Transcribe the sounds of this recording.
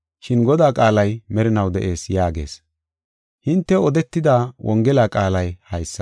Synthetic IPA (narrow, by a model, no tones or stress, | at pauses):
ʃɪnɡɔd̪aːkʼaːlɐjmɛɾɪnɐwd̪ɛ̰ʔe̞ːsjaːɡe̞̰ːs | hɪnt̪ːɛɔd̪ɛt̪ːɪd̪aːwʔɔŋɡɛlaːkʼaːlɐjhɐjsːɐ